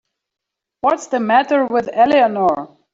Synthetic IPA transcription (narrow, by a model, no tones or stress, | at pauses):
wʌtsðəmæɾə˞wɪðɛlˠiənɔɹ